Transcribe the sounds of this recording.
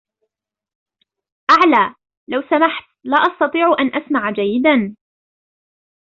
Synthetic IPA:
ʔaʕlaː | lawsamaħt̪laːʔɑst̪ɑt̪ˤiːʕuʔanʔasmaʕd͡ʒajːɪd̪an

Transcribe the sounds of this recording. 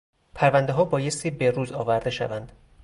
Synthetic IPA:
pʰæɾvænd̪eɦɒːbɒːje̞st̪ʰiːbe̞ɾuːzɒːvæɾd̪e̞ʃæ̰vænd̪̥

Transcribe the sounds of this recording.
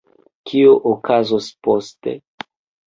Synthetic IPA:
kʰioʔokʰazospostḛ

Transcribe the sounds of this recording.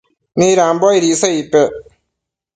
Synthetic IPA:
miːɾaːmbɔjɾiːsəipɛ

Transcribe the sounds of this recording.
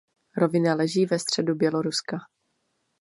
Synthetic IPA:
ɾo̞vɪnalɛʒiːvɛst̪r̝̥ɛdubjɛlo̞ɾuska

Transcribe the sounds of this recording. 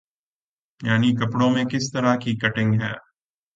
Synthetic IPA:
jaːnikɐpɽõmẽkɪst̪ɐɾakikɐʈɪ̃ŋɡɦɛː

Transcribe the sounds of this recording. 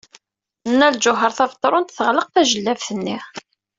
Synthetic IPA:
nːæld͡ʒʊɦəɾˤθɑvt̪ˤːɾˤʊnt̪θəʁləq̚θæʒəlːævθənːi

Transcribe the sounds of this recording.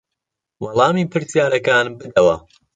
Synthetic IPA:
wɑlˠɑːmiːpʰɨɾsjaːɾɐkaːnbɨd̪ɐwɐ̰

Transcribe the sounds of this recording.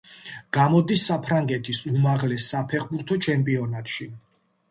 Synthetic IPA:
ɡ̥amɔd̪isːapʰɾaŋɡɛt̪ʰisumaʁlɛsːapʰɛχbuɾt̪ʰɔt͡ʃʰɛmpʼiɔnat̪ʃi

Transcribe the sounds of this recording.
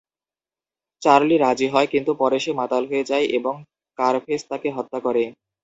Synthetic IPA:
t͡ɕaɾliɾad͡ʑiɦɔekint̪upɔɾeʃemat̪alɦoed͡ʑaeʔeboŋ | kaɾfʰest̪akeɦɔt̪ːakɔɾe

